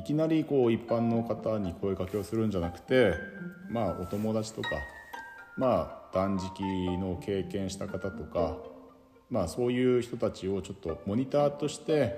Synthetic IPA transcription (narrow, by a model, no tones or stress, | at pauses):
ikʲinaɾʲiko̞ːipːãnːo̞kat̪aɲ̟iko̞ekake̞o̞sɨɾɯ̟̃ɲ̟d͡ʑanakɯ̟̥t̪e̞mao̞̰t̪o̞mo̞d̪at͡ɕi̥t̪o̞ka̰ | mad̪̥ãɲ̟d͡ʑikʲino̞ke̞ːkẽ̞ɰ̃ɕi̥t̪akat̪at̪o̞ka | maːso̞ːjɯ̟ːçi̥t̪ot̪at͡ɕio̞t͡ɕo̞t̪ːo̞mo̞ɲ̟it̪aːt̪o̞ɕi̥t̪e̞